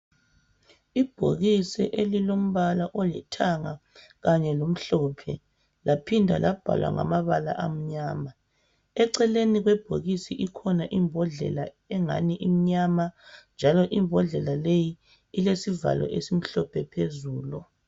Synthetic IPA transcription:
ib̥ʱo̰ɣisɛ̰ʔelilom̩βalaʔolḭtʰaŋa | ɣaɲɛlom̩ɬɔːpʰɛ̰ | lapʰindʱa̰lab̥ʱa̰lwa̰ŋa̰maβala̰ʔam̩ɲaːma | ɛǀɛleniɣwɛb̥ʱo̰ɣisiʔikʰɔnaʔimbʱɔɮɛ̰la | ɛŋa̰niʔim̩ɲamand͡ʒʱalɔʔimbʱɔɮɛlalejiː | lesiva̰lɔ̰ʔesim̩ɬɔpʰɛpʰezuːlɔ

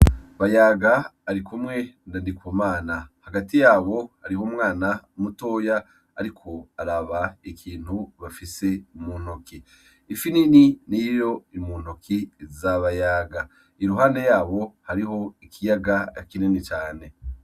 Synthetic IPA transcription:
βajaɡaːɾikumŋe̞ndandikwumaːnahaɡatijaːβo̞haɾihomŋaːnaumuto̞ːjaː | ɾikʰo̞aɾaβaikʰiːn̥huβafise̞umun̥okiː | finininijo̞imuːn̥okʰizaβajaːɡa | iɾuɦaːnde̞jaːβo̞haɾiɦo̞ikʰijaɡakinenit͡ʃaːne̞

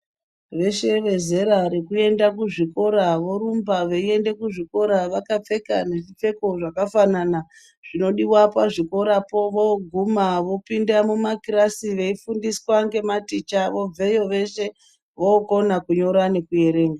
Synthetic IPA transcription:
ʋe̞ʃe̞ʋe̞ze̞ɾaɾekue̞ndakuʐiko̞ɾaʋo̞ɾumbaʋeie̞nde̞kuʐiko̞ɾaʋakap͡fe̞kane̞ʐip͡fe̞ko̞ʐakafanana | ʐ̥ino̞ɗiwapaʐiko̞ɾapo̞ʋoɡʱumaʋo̞pindamumakiɾasiʋe̞ifundiswaŋɡe̞matit͡ʃaʋo̞b͡vejo̞ʋe̞ʃe̞ | ʋoːko̞nakuɲo̞ɾane̞kuje̞ɾe̞ːŋɡa

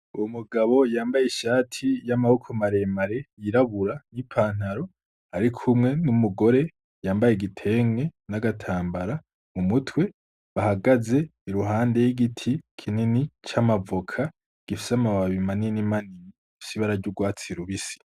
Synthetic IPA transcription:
umuɡaβo̞jaːmbajeʃaːtʰijamahokʰomaɾe̞maɾe̞jiɾaβuɾanipʰaːn̥aɾo̞ | aɾikʰumŋe̞numuɡo̞ɾe̞ | jaːmbajeɡitʰe̞ːŋe̞naɡatʰaːmbaɾa | mumutwe̞ | βahaɡaze̞iɾuɦaːnde̞jiɡitʰikʰininit͡ʃamavokʰa | ɡ̥ifi̥samaβaβimaninimanini | fisiβaɾaɾɟuɡwaːt͡siɾuβisi̥

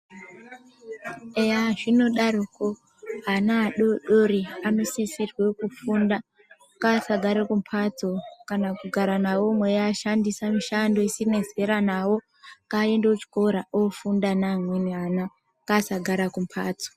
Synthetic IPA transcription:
eaʐino̞ɗaɾoko | ɦanaːɗoɗoɾiano̞sisirwe̞kufunda | kasaɡʱaɾakumpʰat͡sokanakuɡʱaɾanawo̞mwejaʃandisamiʃando̞isine̞ze̞ɾanawo̞ | kaendeut͡ʃi̥ko̞ɾaofundanamweniana | kasaɡʱaɾakumpʰaːt͡so̥

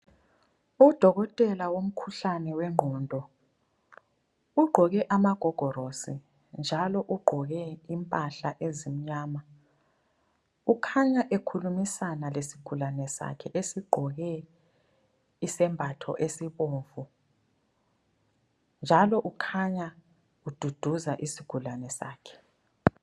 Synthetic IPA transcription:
ud̥ʱɔɣɔtʼɛlawom̩kʰuɬanɛwɛŋ͡ǃʱɔːndʱɔ | uɡ͡ǃʱɔɣɛʔamaɡ̥ʱɔɡ̥ʱɔɾosi | nd͡ʒʱalɔʔuɡ͡ǃʱɔɣɛimpʼaɬaʔezim̩ɲaːma | ukʰaɲaʔekʰulumisanalesi̥ɡ̥ʱulanɛsa̰kʰɛʔesiɡ͡ǃʱɔɣɛ | isɛmbʱatʰɔ̰ʔesiβoːɱvu | nd͡ʒʱalɔʔukʰaɲa | ud̥ʱud̥ʱuzaʔisiɡ̥ʱulanɛsa̰ːkʰɛ̥

